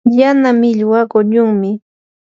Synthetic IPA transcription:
janamɪʎwakʊʎʊŋmɪ

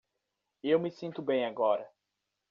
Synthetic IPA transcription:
ewmɪsĩnt̪ʊbẽj̃aɡɔɾɐ

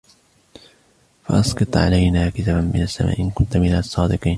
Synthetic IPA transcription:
faʔɑsqɨt̪ˤʕa̰lajnaːkɪt̪aːbanmɪnasːama̰ːʔɪnkʊnt̪mɪnasˤːɑːd̪ɨqiːn

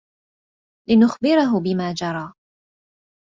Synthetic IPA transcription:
lɪnʊxbɪɾʊɦʊbɪmaːd͡ʒɑɾˤɑː

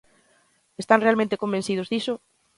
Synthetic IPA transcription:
est̪aŋnrealmẽnt̪ekombẽn̟θið̞ozðiso

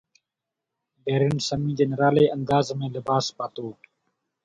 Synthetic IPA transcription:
beːɾɪnsəmĩːd͡ʒənɾaːleːənd̪aːzmẽːlɪbaːspaːt̪oː

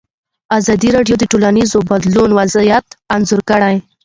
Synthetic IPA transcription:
azɑd̪iɾɑɖjod̪əʈolanizobad̪lunwazijat̪anzʊɾkəɽaj

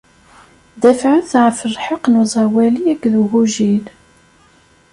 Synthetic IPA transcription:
d̪æfʕəθʕfəɾħəqnuzˤɑwæliækːðuɣuʒil

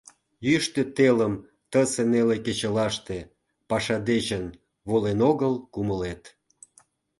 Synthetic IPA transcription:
jyʃt̪ĕt̪eləm | t̪əseneleket͡ɕəlɑʃt̪e | pɑʃɑd̪et͡ɕən | βolenoɣəlkuməlet̪

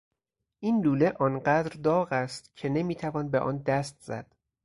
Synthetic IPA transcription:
ʔiːnluːle̞ʔɒːnɢæd̪ɾd̪ɒːɣæst̪cʰe̞ne̞miːt̪ʰævɒːnbeʔɒ̰ːnd̪æst̪̚z̥æ̰d̪̥

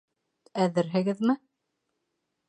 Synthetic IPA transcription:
æðɘɾɦɘ̆ɡɘðmɘ

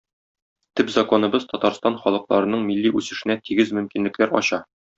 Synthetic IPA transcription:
t̪ɘpzɐko̞nɤ̆bɤzt̪ɒt̪ɑɾst̪ɑnχɒlˠɤ̆qlˠɑɾɤ̆nɤɴmilːiʔʉsɘ̆ʃɘ̆næt̪iɡɘzmɵ̆mkinlɘ̆klæɾɒ̰ɕɑ

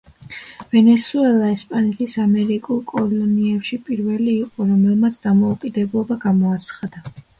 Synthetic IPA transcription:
vɛnɛsuɛlˠaɛspʼanɛt̪ʰisamɛɾikʼulˠkʼɔlɔniɛpʃipʼiɾvɛliːqʼɔɾɔmɛlˠmat̪sʰd̪̥amɔukʼid̪ɛblˠɔbaɡamɔat̪sʰχad̪a

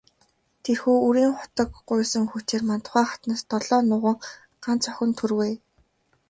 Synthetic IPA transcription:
t̪ʰerxuːuɾiːŋχʊ̥t̪ə̆kɢʊjʊːsə̆ŋxut͡ɕeːrmant̪̆χæːχat̪naːst̪ɔɮɔːnʊʁə̆ŋ | ɢ̥ant͡sɔxʲə̆nt̪ʰɵrweː

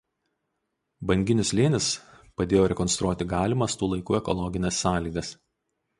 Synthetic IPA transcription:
bɐŋʲɡʲɪnʲʊsʲlʲeːnʲɪs | pɐd̪ʲeːjoːɾʲɛkɔnst̪ɾuɔt̪ʲɪɡɑːlʲɪmɐst̪uːlˠɐɪkuːɛkɔlˠɔɡʲɪnʲɛsːɑːlʲiːɡɐs

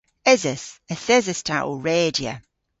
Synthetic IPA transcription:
ɪzəsəθɪzəstʰa̰ʔo̰ɹeːdiə̰

